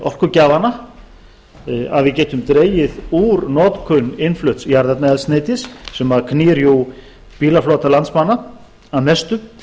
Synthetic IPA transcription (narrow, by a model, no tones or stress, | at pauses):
ɔr̥kʏcaːvana | a̰ðvɪðcɛːt̪ʏmt̪ɾeːjɪðuːɾnɔːt̪kʰʏnːɪnflœht̪sjaɾðɛt̪naɛst̪neːjt̪ɪsːɛmakʰnɪːɾju | piːlafloːt̪alant̪smanːa | aðmɛst̪ʏ